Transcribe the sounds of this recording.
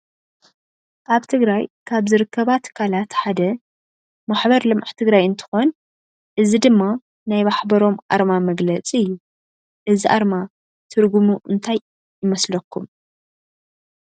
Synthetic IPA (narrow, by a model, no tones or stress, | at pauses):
ʔaβt̪ʰɨɡɾajkʰaβzɨɾɨkʰːɐβat̪ʰɐ̥kʰalat̪ħad̪ɐ | maħbɐɾlɨmʔaʕt̪ʰɨɡɾajɨnt̪ʰɨ̥xo̞n | ʔɨzid̪ɨmːa | najmaħbɐɾo̞mʔa̰ɾmamɐɡlɐt͡sʼiɨjːu | ʔɨziʔaɾma | t̪ʰɨɾɡumuʔɨnt̪ʰajː | ɪmɐslɐkʰːum